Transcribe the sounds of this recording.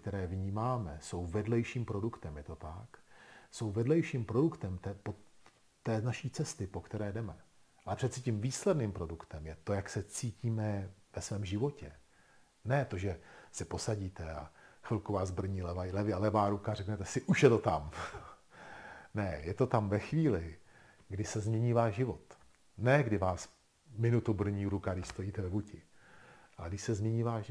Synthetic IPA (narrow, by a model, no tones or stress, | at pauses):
kt̪ɛɾɛːvɲiːmaːmɛso̞wvɛdlɛjʃiːmpɾo̞dukt̪ɛmjɛt̪o̞t̪akso̞wvɛdlɛjʃiːmpɾo̞dukt̪ɛmt̪ɛpo | ɛːnaʃiːt͡sɛst̪ɪpo̞kt̪ɛɾɛːdɛmɛʔalɛpr̥ɛt̪sɪcimviːslɛdniːmpɾo̞dukt̪ɛmjɛt̪o̞jaksɛt͡siːciːmɛvɛsvɛːmʒɪvo̞cɛ | nɛt̪o̞ʒɛsɛpo̞saɟiːt̪ɛafɪlkuvaːzbr̩ɲiːlɛvalɛvɪalɛvaːɾukarɛknɛt̪ɛsɪʔuʃjɛt̪o̞t̪am | nɛjɛt̪o̞t̪amvɛxviːlɪ | ɡdɪsɛzmɲɛɲiːvaːʃʒɪvo̞t̪ | nɛɡdɪvaːs | mɪnut̪ubr̩ɲiːɾukadɪʃst̪o̞jiːt̪ɛvɛbucɪ | ʔalɛɡdɪʃsɛzmɲɛɲiːvaː